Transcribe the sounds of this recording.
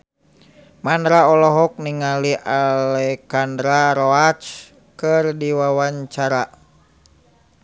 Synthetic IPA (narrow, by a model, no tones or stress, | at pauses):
mandɾaɔlɔɦɔk̚niŋaliʔalɛkandɾaɾɔat͡ʃ | kɨrdiwawaɲt͡ʃaɾa